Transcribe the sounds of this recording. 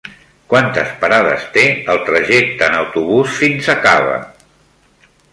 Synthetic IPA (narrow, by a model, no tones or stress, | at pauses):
kwant̪əspaɾaðə̰st̪eəlˠt̪ɾəʒek̚t̪əːnəwt̪uβusfinsəkaβə̰